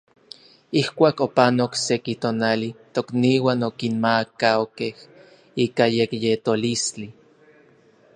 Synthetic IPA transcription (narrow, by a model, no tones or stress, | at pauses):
ihkʷaːkopanoksekit̪oːnalit̪okniːwaːnokinmakaokeh | iːkajekjet̪olist͡ɬi